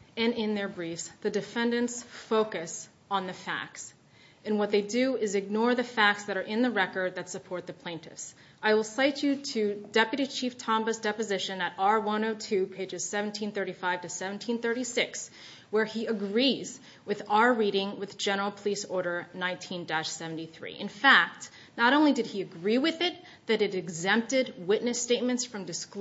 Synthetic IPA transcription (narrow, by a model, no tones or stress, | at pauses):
ɨ̃nɪ̃nðə˞bɹifsðɨdɨfɛ̃ndɨ̃ntsfoʊkɨs | n̩ðɨfæ̰k̚ts | ɨ̃nwʌt̪̚ðeɪdɨɪzɨɡ̚nɔɹðɨfæk̚tsðɨɾə˞ʔɪ̃nðɨɹɛkə˞d̪̚ðɨtsɨpʰɔɹt̪̚ðɨpʰl̥ẽɪ̃ntɨ̰fs | aɪwəlˠsaɪt͡ʃɨɾɨdɛpjɨɾit͡ʃʰiftʰɑ̃mbɨzdɛpɨzɪʃɨ̃nɨɾɑɹwʌ̃noʊtʰʉpʰeɪd͡ʒɨz̥sɛṽn̩tʰĩnθɜ˞ɾifaɪv̥tʰɨsɛvn̩tʰĩnθɜ˞ɾisɪks | wə˞iɨɡɹiz̥ | wɨðaə˞ɹiɾɪ̃ŋwɨðd͡ʒɛnə˞l̩ˠpʰəlisɔɹɾə˞nãɪ̃ntʰĩndæʃsɛvn̩tiθɹḭʔɨ̃nfæk̚t̚ | nəɾõʊ̃nlidɨd̚iɨɡɹiwɪðɪt̪̚ | ðɨɾɨɾɨɡzɛ̃mp̚tɪd̚wɪʔⁿnɨsteɪt̚mɨ̃ntsfɹʌ̃mdɨsk